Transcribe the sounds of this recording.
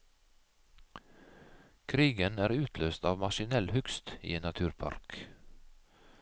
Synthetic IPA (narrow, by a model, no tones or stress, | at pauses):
kʰɾiːɡənæːɾʉːt̪ʰløːst̪ɑːʋmɑʃɪnɛlhʉkst̪ḭːenɑt̪ʰʉːɾpʰɑ̰ɾk